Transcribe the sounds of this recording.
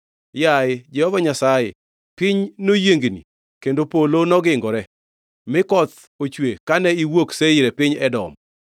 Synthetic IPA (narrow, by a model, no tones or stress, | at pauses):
jaɪd͡ʒɛhɔvaɲasajɪ̰ | pɪɲnojeŋɡnḭ | kendopolonɔɡɪŋɡɔɾɛ | mɪkɔt̪ | ot͡ʃwekanɛiwokseɪɾɛpɪɲɛdɔ̰m